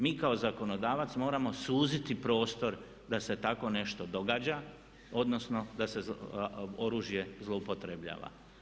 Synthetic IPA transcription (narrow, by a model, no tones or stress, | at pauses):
miːkao̞zako̞no̞d̪aːʋat̪smo̞ːɾamo̞suːzit̪ipɾo̞ːst̪o̞ɾ | d̪ase̞t̪ako̞ne̞ʃt̪o̞d̪o̞ɡaːd͡ʑa | o̞d̪no̞snod̪ase̞ | oɾuːʒje̞zlˠoupo̞t̪ɾebʎa̰ːʋa̰